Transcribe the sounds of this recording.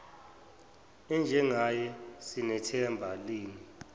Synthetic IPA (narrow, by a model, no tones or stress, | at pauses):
ɛnd͡ʒʱɛŋajɛsinɛtʰɛmbʱaliːni